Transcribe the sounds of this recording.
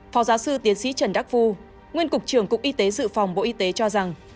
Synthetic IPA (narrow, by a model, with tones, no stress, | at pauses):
fɔ˨˦wzaː˨˦wsɨ˧t̪i˨˦ənsḭ˧˥t͡ɕə˨˩nɗa˦˥k̚vu˧ | ŋwi˧ənkʊ˨˩k͡p̚t͡ɕɨ˧˩əŋkʊ˨˩k͡p̚ʔi˧t̪e˨˦zɨ̰˧˨fa˨˩wŋ͡mɓo̰˧˨ʔi˧t̪e˨˦t͡ɕɔ˧za˨˩ŋ